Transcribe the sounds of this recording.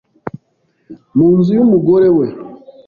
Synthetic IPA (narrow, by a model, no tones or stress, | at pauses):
muːnzijumuɡoɾewe